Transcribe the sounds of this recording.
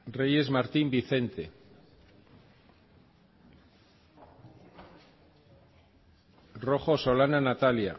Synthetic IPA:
reje̞zmaɾt̪imbiθe̞nt̪e̞ | ro̞χo̞so̞lananat̪alja̰

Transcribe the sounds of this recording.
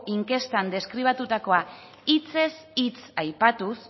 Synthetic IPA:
iŋke̞st̪and̪e̞skɾiβ̞at̪ut̪ako̞a | it͡se̞s | it͡sajpat̪us

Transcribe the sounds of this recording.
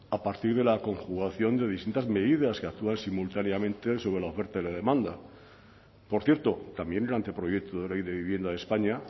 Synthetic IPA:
apaɾt̪iɾðe̞lako̞ŋxuɣaθjo̞nd̪e̞ð̞ist̪int̪azme̞ðiðaskeak̚t̪uansimult̪aneamẽ̞nt̪e̞so̞βɾe̞laofe̞ɾt̪aelaðe̞mãnd̪a | po̞ɾθje̞ɾt̪o̞t̪ambje̞nelant̪epɾojek̚t̪ʰoðelejðe̞βiβ̞je̞nd̪aðespaɲa

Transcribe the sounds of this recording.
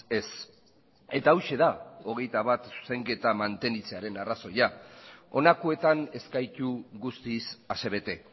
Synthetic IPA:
e̞s | e̞t̪aːwʃe̞ðao̞ɣ̞ejt̪aβ̞at̪se̞ŋɡe̞t̪amant̪e̞nit͡se̞aɾe̞naraso̞jao̞nakue̞t̪ane̞skajt̪uɣust̪isase̞βe̞t̪e̞

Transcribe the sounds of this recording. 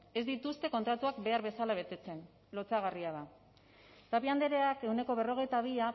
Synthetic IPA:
e̞zd̪it̪ust̪e̞ko̞nt̪ɾat̪uakbe̞aɾβe̞salaβ̞e̞t̪e̞t͡se̞n | lo̞t͡saɣ̞ariað̞a | t̪apiand̪e̞ɾeake̞wne̞ko̞β̞e̞ro̞ɣ̞e̞jt̪aβ̞ia

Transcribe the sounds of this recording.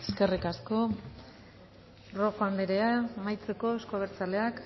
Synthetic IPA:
eske̞rikasko̞ | ro̞xand̪eɾeamajt͡se̞ko̞eskoaβeɾt͡sale̞ak

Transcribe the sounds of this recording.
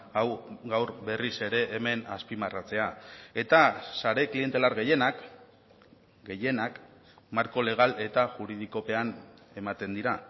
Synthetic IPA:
awɣawɾbe̞rise̞ɾe̞ʔːme̞naspimarat͡se̞ae̞t̪asaɾe̞klie̞nt̪e̞laɾɣejenak | ɡe̞je̞nak | maɾko̞le̞ɣ̞ale̞t̪aʝuɾið̞iko̞pe̞an | e̞mat̪e̞nd̪iɾa

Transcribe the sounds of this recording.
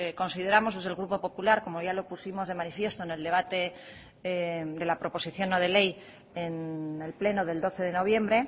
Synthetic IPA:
ko̞nsið̞e̞ɾamo̞zðe̞zðelɣ̞ɾupo̞po̞pulaɾko̞mo̞ʝalo̞pusimo̞zð̞e̞manifje̞st̪oene̞ld̪e̞βat̪e̞ | d̪e̞lapɾo̞po̞siθjo̞nːoð̞e̞le̞j | ene̞lple̞noðe̞ld̪o̞θe̞ð̞e̞no̞β̞je̞mbɾe̞

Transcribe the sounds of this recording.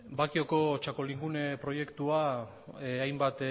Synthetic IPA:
bakioko̞t͡ʃako̞liŋɡune̞pɾo̞je̞kt̪ua | ajmbat̪

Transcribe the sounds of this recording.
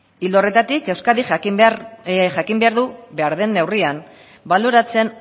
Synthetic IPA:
ild̪o̞re̞t̪at̪ike̞wskaðix | ʝakimbe̞aɾðuβe̞aɾðe̞nːe̞wrian | balo̞ɾat͡se̞n

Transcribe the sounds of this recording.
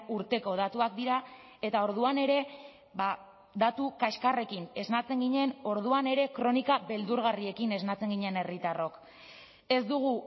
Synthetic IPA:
uɾt̪e̞ko̞ð̞at̪uak̚d̪iɾa | e̞t̪ao̞ɾðuane̞ɾe̞ | βa | d̪at̪ukaʃkare̞kine̞znat͡se̞ŋɡiɲe̞no̞ɾðuane̞ɾe̞kɾo̞nikaβe̞ld̪uɾɣarie̞kine̞znat͡se̞ŋɡiɲe̞ne̞rit̪aro̞k | e̞zd̪uɣ̞u

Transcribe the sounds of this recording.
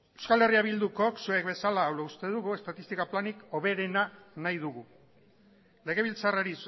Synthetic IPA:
e̞wskale̞riaβild̪uko̞ksuek̚be̞salaːwlaust̪e̞ð̞uɣue̞st̪at̪ist̪ikaplaniko̞βe̞ɾe̞nanajðuɣu | le̞ɣ̞e̞β̞ilt͡saraɾis

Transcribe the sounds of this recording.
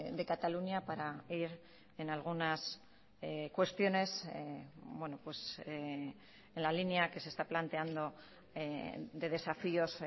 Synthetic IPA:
d̪e̞kat̪aluɲjapaɾaiɾ | e̞nalɣ̞unas | ekwe̞st̪jo̞ne̞s | bwe̞no̞pwe̞s | enlalinjake̞se̞st̪aplant̪e̞and̪o̞ | d̪e̞ð̞e̞safio̞s

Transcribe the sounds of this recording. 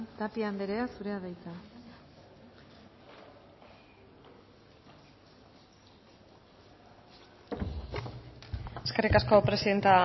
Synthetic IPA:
t̪apiand̪eɾeasuɾe̞aðajt͡sa | e̞ske̞rikasko̞pɾe̞siðe̞nt̪a

